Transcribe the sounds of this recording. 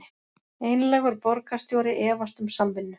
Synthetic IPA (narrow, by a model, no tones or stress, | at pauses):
eːjnlɛɣʏɾpɔɾkast̪jowɾɪʔɛːvast̪ʏmsamːɪnːʏ